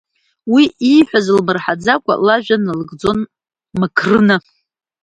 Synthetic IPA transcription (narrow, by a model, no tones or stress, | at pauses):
wiʔijħʷᶣazɨlmɨrħad͡zakʷʼa̰laʒᶣanlɨɡʼd͡zo̞n | makʰrɨnɨ